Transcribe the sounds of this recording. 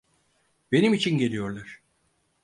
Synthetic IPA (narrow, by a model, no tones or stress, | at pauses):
be̞nimit͡ʃʰinɟe̞lʲijo̞ɾlˠaɾ̥